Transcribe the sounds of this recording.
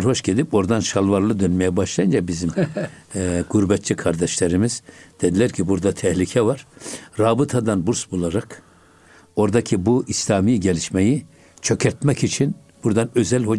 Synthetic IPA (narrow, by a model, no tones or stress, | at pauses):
ɾho̞ʃɟed̪ipo̞ɾd̪anʃalˠvaɾlˠɯd̪ønmɛjɛbaʃlˠajɯnd͡ʒabizim | ɡ̥uɾbɛt̪̚t͡ʃikʰaɾd̪ɛʃlʲeɾimizd̪̥ed̪ilʲæɾcʰibuɾd̪at̪ʰɛhlʲicʰɛvaɾ̥ɾaːbɯt̪ʰad̪anbuɾsbulˠaɾak | o̞ɾd̪acʰibuʔislʲaːmiːɟelʲiʃmeji | t͡ʃʰø̞cʰɛɾt̪mɛcit͡ʃʰin | b̥uɾd̪anø̞zælʲho